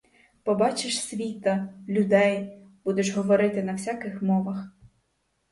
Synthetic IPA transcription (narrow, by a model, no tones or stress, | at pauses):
pɔbɑt͡ʃɪʃsʲʋʲit̪ɐlʲʊd̪ɛj | b̥ud̪eʃɦɔʋɔɾɪt̪ɪnɐwsʲakɪxmɔʋɐx